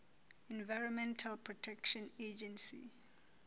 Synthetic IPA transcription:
ɛ̃nvaɪɹɔ̃nmɛ̃ntʰalpʰɹɔtʰɛkʃɔ̃ned͡ʒɛ̃nsḭ

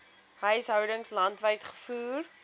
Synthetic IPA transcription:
ɦœɥsɦœwdəŋslɐntvəjtχə̥fuːr

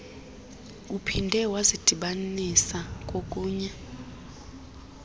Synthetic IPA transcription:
upʰindʱɛwazid̥ʱiɓanisakʼokʼuːɲa

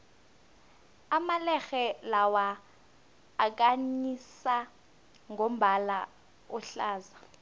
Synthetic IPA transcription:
amalɛɣɛlawa | kʼaɲisa | ŋɡʱom̩bʱala | ʊɬaːza

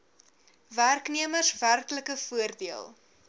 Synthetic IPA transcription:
værkniəmərsværkləkəfuərdiəlˠ

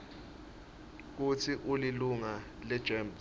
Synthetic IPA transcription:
k̬ut͡sʰiʔuliluŋa | lɛd̥ʒ̥ɛms

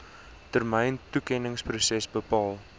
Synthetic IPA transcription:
tərməjntukɛnəŋsprusɛsbəpɑːlˠ

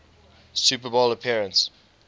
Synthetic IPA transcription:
supəbɔləpʰiɹə̃nts

